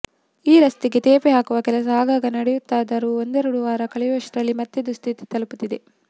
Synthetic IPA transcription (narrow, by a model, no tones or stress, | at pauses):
iːɾɐst̪iɡe̞t̪eːpeɦaːkuʋɐkɛlɐs̬ɐaːɡaːɡɐnɐɽɛjut̪ːaːd̪ɐɾuːond̪ɛːɾuɽuʋaːɾɐkɐɭɛʋɐʂɾɐlːimɐt̪ːed̪ust̪ʰit̪i̥t̪ɐluput̪ːid̪e̞